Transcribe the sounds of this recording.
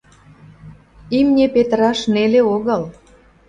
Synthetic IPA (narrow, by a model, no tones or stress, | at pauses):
imnʲepet̪əɾɑʃneleoɣəl